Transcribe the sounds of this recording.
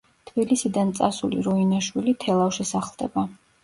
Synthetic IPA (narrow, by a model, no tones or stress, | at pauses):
t̪ʰb̥ilisid̪ant̪sʼasulḭɾɔinaʃwilit̪ʰɛlˠafʃisaχlˠd̪ɛ̰ba